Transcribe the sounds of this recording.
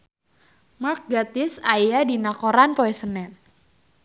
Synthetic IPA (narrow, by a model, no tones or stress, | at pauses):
mak̚ɡat̪ɪsajadinakoɾanpoɛsənɛn